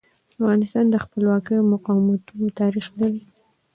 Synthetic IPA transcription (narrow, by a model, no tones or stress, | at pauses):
afɣɑnɪst̪ɑnd̪əxpəlwɑkəjmʊqɑwmat̪unot̪ɑɾixlaɾi